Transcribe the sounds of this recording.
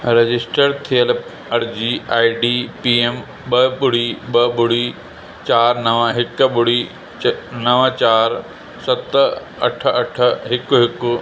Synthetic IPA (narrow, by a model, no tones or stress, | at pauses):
ɾed͡ʑɪsʈəɾt̪ʰijəl | ɐɽd͡ʑiːaːiɖiːpiːem | ɓɐɓʊɽiːɓɐɓʊɽiː | t͡ɕaːɾnɐʋəɦɪkɓʊɽiː | nɐʋə̃t͡ɕaːɾ | sɐt̪ | ɐ̰ʈʰɐʈʰə̆ɦɪkɦɪkʊ